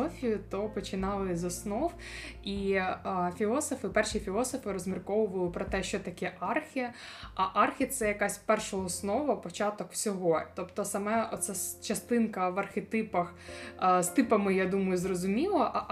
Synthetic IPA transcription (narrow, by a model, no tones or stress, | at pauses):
ɔfʲijʊt̪ɔpɔt͡ʃɪnɑlˠɪzɔsnɔw | i | fʲilˠɔsɔfɪpɛrʃifʲilˠɔsɔfɪɾɔzmʲirkɔʋʊʋɐlˠɪpɾɔt̪ɛʃt͡ʃɔt̪ɐkʲɛʔɑrxʲiɐʔɑrxʲit̪sɛjɐkasʲpɛrʃɐɔsnɔʋɐpɔt͡ʃɑt̪ɔkw̥sʲɔɦɔt̪ɔpt̪ɔsɐmɛɔt̪sɛst͡ʃɐst̪ɪnkɐʋɐrxʲet̪ɪpɐxst̪ɪpɐmɪjad̪umɐjʊzrɔzʊmʲilˠɐʔ